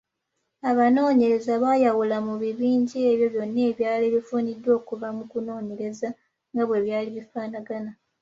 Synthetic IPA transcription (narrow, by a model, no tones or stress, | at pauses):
aβano̞ːɲe̞ɾe̞zaβaːjawulamuβiβiːɲɟieβjo̞βjo̞nːe̞ːβjaːle̞βifuːnidːwo̞ːkuvamukuno̞ːɲe̞ɾe̞za | ŋɡaβwe̞βjaːliβifaːnaɡana